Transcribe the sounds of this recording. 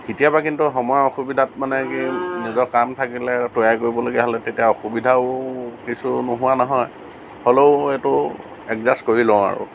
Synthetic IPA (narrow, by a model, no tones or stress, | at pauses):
kitijabakintuxɔmɔjɔɔxubidʱatmanɛkinizɔkamtʰakilɛtojajkoɹibɔloɡiaɦɔlɛtetijaoxubidʱaʊkisunoɦʊwanɔɦɔj | holoʊetʊ | ɛkzaskoɹilɔ̃ʊ̃a̰ɹʊ̰